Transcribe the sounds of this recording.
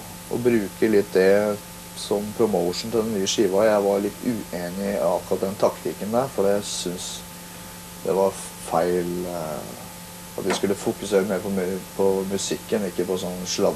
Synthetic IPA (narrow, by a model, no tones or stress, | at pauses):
ʔɔ̰bɾʉːkəlɪt̪ːd̪ɛ | sɔmpʰɾʊmoʊʂn̩t̪ɪlɛnnːyːəʂiːʋɑjæɪʋɑɾɭɪt̪ːʉːʔeːnɪɑkːɾɑt̪̚d̪ɛnt̪ʰɑkt̪ʰɪkːənd̪æɾfɔɾɑt̪jæɪsʏns | d̪̥ɛ̰ʋɑɾ | fæɪl | ɑ̰t̪ʋɪskʉlːəfukʉseːɾəmeːɾpʰɔmpʰɔmʉsɪkːənɪkːəpɔsɔnːʂlɑ